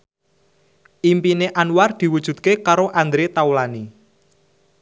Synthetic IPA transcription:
ʔimpineʔanward̪̥i̤wud̥ʒ̥ṳd̪̥̚kekaɾoʔand̪ɾet̪aulani

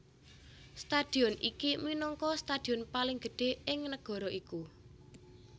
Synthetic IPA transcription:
st̪ad̪̥i̤ɔnḭkiminɔŋkɔst̪ad̥i̤ɔnpalɪŋɡ̥əɖ̥e̤ʔɪŋnəɡ̥ɔ̤ɾɔʔiku

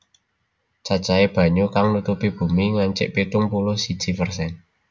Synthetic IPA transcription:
t͡ʃḁt͡ʃaeb̥ä̤ɲokaŋnut̪upib̥ṳmiŋaɲt͡ʃɪ̰ʔpit̪ʊŋpulʊhsid̥ʒ̥i̤fərsɛn

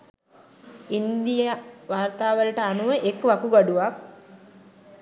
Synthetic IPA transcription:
ind̪ijaʋaːrt̪aːʋəlʈəanuʋəʔekʋakuɡaɖuʋak̚

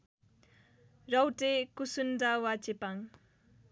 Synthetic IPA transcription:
rʌwʈekusundawat͡sepaŋ

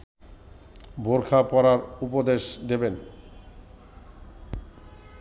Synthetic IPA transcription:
boɾkʰapɔɾaɾupod̪eʃd̪eben

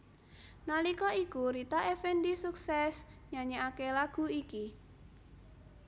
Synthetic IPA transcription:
nalikɔikuɾit̪aʔefɛndisuksɛsɲaɲaakelaɡ̥ṳiki

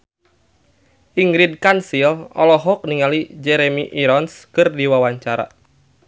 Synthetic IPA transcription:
ʔiŋɡɾidkansilɔ̰lɔɦɔk̚niŋalid͡ʒɛɾemiʔiɾɔnskɨrdiwawaɲt͡ʃaɾa̰

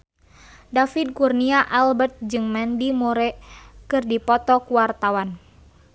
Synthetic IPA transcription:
dafid̚kurniaʔalbərt̪̚d͡ʒɨŋmɛndimuɾɛkɨrdipɔt̪ɔkuwart̪awan

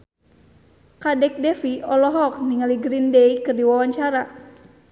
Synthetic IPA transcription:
kadɛk̚dɛfiɔlɔɦɔk̚niŋaliɡɾindɛikɨrdiwawaɲt͡ʃaɾa

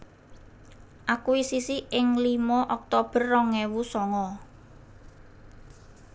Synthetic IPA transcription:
ʔakuisisiʔɪŋlimɔʔɔk̚t̪ob̥ə̤rːɔŋɛwusɔŋɔ

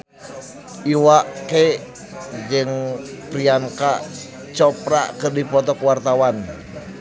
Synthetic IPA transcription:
ʔiwaʔke | d͡ʒəŋpɾiaŋka | t͡ʃɔpɾaʔkɨrdipɔt̪ɔkwart̪awan

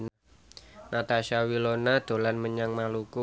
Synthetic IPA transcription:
n | nat̪aʃawilonad̪̥o̤lanməɲaŋmaluku

